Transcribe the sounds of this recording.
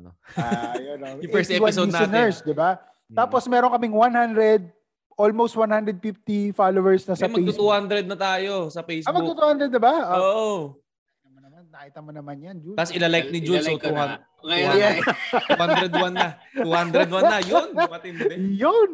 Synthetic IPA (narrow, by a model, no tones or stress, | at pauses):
jonofɛst̪ɛwaodisaɐnɛɹsd̪ɪba | t̪aːposmɛːɾoŋkɐmɪŋwanhand̪ɾɛd̪̚ | ʔolmowst̪̚wanhand̪ɾɛd̪̚fift̪ifalowɛɹsnɐsɐɐej̪ut̪uːhand̪ɾɛd̪̚nɐt̪aːjosɐfejsbmɐɡt̪ut̪uhand̪ɾɛd̪ːɪbaoʔ | t̪ɐmonɐmanːɐʔɪt̪ɐmonɐmanjɐnd͡ʒut̪asɪlalajk̚nɪd͡ʒust̪uha | ujɛwand̪ɾɛd̪wanːɐuhand̪ɾɛd̪̚wanːɐjonɐmɐt̪ɪnɛjon